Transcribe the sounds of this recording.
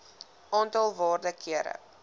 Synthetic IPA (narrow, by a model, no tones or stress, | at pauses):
ʔɑːntɑlˠvɑːrdəkiəɾə̰